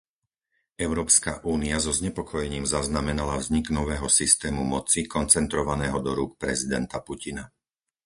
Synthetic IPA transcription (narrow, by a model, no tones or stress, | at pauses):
ɛʊɾɔːpska̰ʔuːniazɔzɲɛpɔkʰɔjɛɲiːmzaznamɛnalavzɲiɡnɔʋɛːɦɔsist̪ɛːmumɔt͡sikɔnt͡sɛnt̪ɾɔʋanɛːɦɔd̪ɔɾuːk̚pɾɛzid̪ɛnt̪apucina